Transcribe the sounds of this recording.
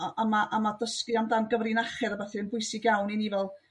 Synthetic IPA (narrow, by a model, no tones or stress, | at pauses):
ʔamaʔamadəskɨamdanɡəvrinaχɛɾəbɛθɨənbʊɨsɪɡjawninivɛlˠ